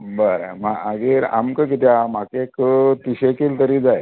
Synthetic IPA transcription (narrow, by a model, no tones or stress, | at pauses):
bəɾmaaɡiɾa̰mkək̬it̪jamakekət̪iɕekiːlt̪əɾiːd͡zaj